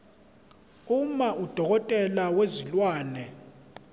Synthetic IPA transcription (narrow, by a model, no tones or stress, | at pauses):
umaʔud̥ʱɔk̬ɔtʼɛlawezilwaːnɛ